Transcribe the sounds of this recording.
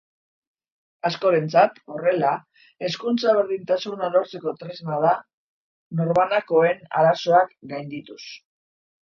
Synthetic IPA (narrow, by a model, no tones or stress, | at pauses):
asko̞ɾe̞nt͡sat̪o̞re̞la | e̞skunt͡saβ̞e̞ɾðint̪asunalo̞ɾt͡se̞ko̞t̪ɾezmaða | no̞ɾmanako̞e̞na̰ɾaso̞akɡajnd̪it̪us